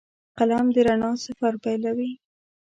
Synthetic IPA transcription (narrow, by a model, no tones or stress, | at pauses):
qalamd̪əɾaɳɑsafaɾpajlawi